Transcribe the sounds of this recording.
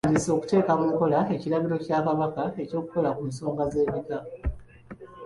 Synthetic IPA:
diso̞ːku̥te̞ːkamuŋko̞lae̞cilaβiɾo̞caːkaβakae̞co̞ːku̥ko̞lakumus̬o̞ːŋɡaze̞ːβiɡa

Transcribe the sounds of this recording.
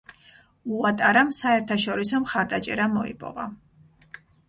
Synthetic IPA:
uat̪ʼaɾamsaɛɾt̪ʰaʃɔɾisɔmχaɾd̪at͡ʃʼɛ̰ɾamɔḭpʼɔ̰va̰

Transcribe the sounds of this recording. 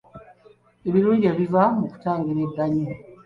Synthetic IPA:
eβiɾuːɲɟeβivamuku̥taːŋɡiɾeɡaɲo

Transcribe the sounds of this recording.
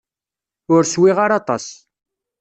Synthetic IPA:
ʊɾswiʁaɾɑt̪ˤɑ̰s

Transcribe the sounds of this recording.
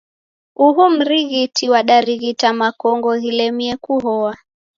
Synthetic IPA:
uɦum̩ɾiɣitiwaɗaɾiɣitamakɔŋɡɔɣilɛmiɛkuɦɔwa

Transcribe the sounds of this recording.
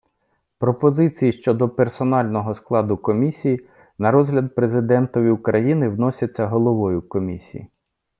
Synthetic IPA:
pɾɔpɔzɪt͡sʲijiʃt͡ʃɔd̪ɔpersɔnɑlʲnɔɦɔsklˠɑd̪ʊkɔmʲisʲiji | nɐɾɔzɦlʲɐd̪̚pɾe̞zɪd̪ɛnt̪ɔʋʲiʊkɾɐjinɪwnɔsʲɐt͡sʲːɐɦɔlˠɔʋɔjʊkɔmʲisʲḭjḭ

